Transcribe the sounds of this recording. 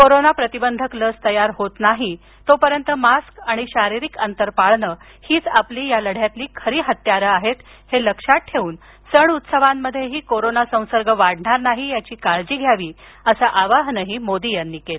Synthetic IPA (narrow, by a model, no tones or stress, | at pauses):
koɾonapɾət̪ibənd̪ʱəkləst̪əjaɾɦot̪naɦi | t̪opəɾjənt̪əmaskaɽ̃iɕaɾiɾikənt̪əɾpaɭɳəː | hiːt͡sapliːjaləɽ̤jat̪liːkʰəɾiːɦət̪jaɾəaɦet̪ | heləkʂaʈ̚ʈʰeʋuːn | səɳut̪səʋamːəd̪ʱjeɦiːkoɾonasə̃w̃səɾɡəʋaɽɳaɾnaɦijat͡ɕiːkaɭd͡ʑiːɡʱjaʋiː | əsaʔaʋaɦnəɦiːmod̪ijanːiːkel